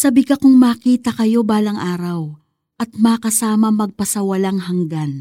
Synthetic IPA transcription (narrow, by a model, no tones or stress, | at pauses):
sɐbikɐkʊŋmaːkiːt̪ɐkɐjo̞baːlɐŋʔaːɾɐw | ʔɐt̪̚maːkɐsaːmɐmɐɡ̚pɐsɐwɐlaŋɦɐŋɡan